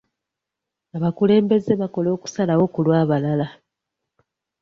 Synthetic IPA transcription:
aβakule̞ːmbe̞ze̞βako̞lo̞ːku̥salawo̞kulwaːβalala

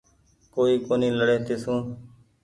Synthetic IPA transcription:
koːiːkoːniːləɽeːt̪eːsũː

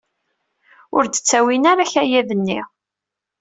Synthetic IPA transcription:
ʊɾd̪ə̥t͡sːæwinaɾaçæjæðənːḭ

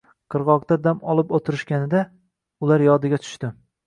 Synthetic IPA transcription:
qʰɨɾʁɒqt̪ad̪amɒlˠɪpot̪ʰɪɾɪʃkʲanɪd̪a | ʊlaɾjɒd̪ɪɡʲat̪ʰʊ̥ʃt̪ɪ

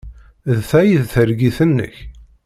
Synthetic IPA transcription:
ðθæjiðθəɾɡiθənːə̰ç

